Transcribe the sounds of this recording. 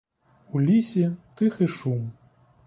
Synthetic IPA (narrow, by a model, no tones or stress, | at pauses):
ulʲisʲit̪ɨxɨʂum